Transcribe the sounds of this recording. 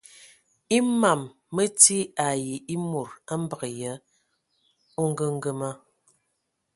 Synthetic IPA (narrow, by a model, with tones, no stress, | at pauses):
i˦ma˨mː | ə˦ti˦a˨ji˨ʔi˦mo˨ɾa˦m̩˦bə˨ɣə˨jə˦ | o˦ŋ˦ɡə˦ŋ̩˦ɡə˦ma˦